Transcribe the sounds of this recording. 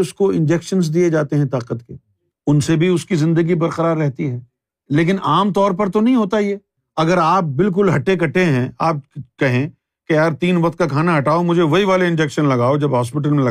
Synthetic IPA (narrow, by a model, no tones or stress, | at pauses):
ʊskoɪ̃nd͡ʒɛːkʃənzd̪ied͡ʒaːt̪eɦɛ̃t̪aːqət̪kḛ | ʊnsebʱiʊskizɪ̃nd̪əɡibɐɾqəɾaːɾːɛɦt̪iɦɛː | leːk̬ɪnʔaːmt̪ɔːɾpɐɾt̪onɐɦĩɦoːt̪aɦiɛː | ɐɡəɾaːp̚bɪlk̬ʊlɦɐʈekɐʈeɦɛ̃aːp̚kɐɦẽ | kejaːɾt̪iːnʋɐqt̪̚kakʰaːnaɦɐʈaːomʊd͡ʒʱeʋɐɦiʋaːleɪ̃nd͡ʒɛːkʃənlɐɡaːod͡ʒɐbɦaːspɪʈ̬əlmẽlɐ